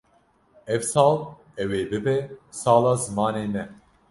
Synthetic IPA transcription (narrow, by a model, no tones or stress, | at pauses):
ɛvsɑːl | ɛweːbɨbɛsɑːlɑːzɨmɑːneːmɛ